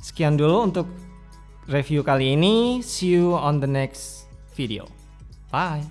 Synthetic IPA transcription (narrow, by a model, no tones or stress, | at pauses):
sə̥kijandulount̪ʊk̚ | refjukaliːnisiuɔnd̪ənɛks | fidio̰ | baj